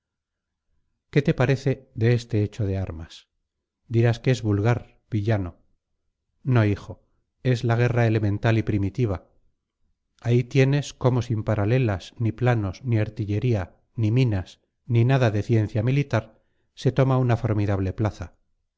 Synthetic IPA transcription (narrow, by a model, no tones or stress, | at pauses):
ke̞t̪e̞paɾe̞θe̞ðe̞est̪e̞et͡ʃo̞ð̞e̞a̰ɾmas | d̪iɾaskee̞zβulɣaɾ | b̥iʎano̞ | no̞ixo̞ | e̞zlaɣ̞e̞rae̞le̞mẽ̞nt̪alipɾimit̪iβ̞a | ait̪je̞ne̞sko̞mo̞simpaɾale̞lasniplano̞sniaɾt̪iʎe̞ɾia | nimĩnas | ninaðaðe̞θje̞nθjamilit̪aɾ | se̞t̪o̞maunafo̞ɾmiðaβle̞plaθa